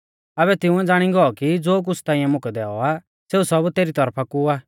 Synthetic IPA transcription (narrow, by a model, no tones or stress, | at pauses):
ɐβɛt̪ɪ̃ʊ̃ɛ̃d͡zaːɽ̃ĩɡɔɔkid͡zoːk̬ʊsʰt̪ãːĩjãmʊkɛd̪ɛːɔa | seːusɐbt̪eːɾit̪ɐɾpʰakuaː